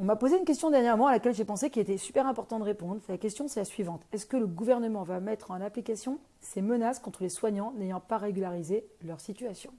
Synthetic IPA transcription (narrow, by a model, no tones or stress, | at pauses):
ɔ̃mapozeynkʲɛst̪jɔ̃d̪ɛʁnjɛʁmɔ̃alakʲɛlʒepɑ̃sekʲilet̪ɛsypɛʁɛ̃pɔʁt̪ɑ̃d̪əʁepɔ̃d̪ʁsɛlakʲɛst̪jɔ̃sɛlasɥivɑ̃t̪ɛskələɡuvɛʁnəmɑ̃vamɛt̪χɑ̃naplikasjɔ̃ | semənaskɔ̃t̪χəleswaɲɑ̃nejɑ̃paʁeɡʲylaʁizelœʁsit̪yasjɔ̃